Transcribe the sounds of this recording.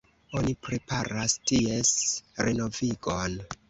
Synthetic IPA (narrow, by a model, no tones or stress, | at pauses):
o̞nipɾe̞pʰaɾastie̞sɾeno̞viɡon